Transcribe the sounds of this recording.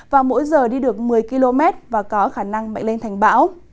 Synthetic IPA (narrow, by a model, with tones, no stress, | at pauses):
vaː˨˩mo̰˧˥jzəː˨˩ɗi˧ɗɨ˨˩ək̚mɨ˨˩əjki˧lo˧mɛ˦˥t̚vaː˨˩kɔ˨˦xaː˧˩na˧ŋma̰˧˨ŋ̟le˧ŋt̪ʰɛ˨˩ŋ̟ɓa̰ː˧˥w